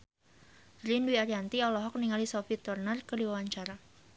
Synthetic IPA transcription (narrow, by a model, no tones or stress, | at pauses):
ɾinduiaɾiant̪iɔlɔɦɔk̚niŋalisofit̪ɔrnərkədiwawaɲt͡ʃaɾa